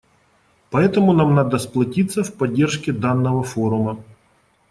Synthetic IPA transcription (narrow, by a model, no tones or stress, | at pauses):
pɐɛt̪əmʊnamnad̪ɐsplˠɐtʲit̪sːɐfpɐdʲːerʂkʲɪd̪anːəʋɐfoɾʊmɐ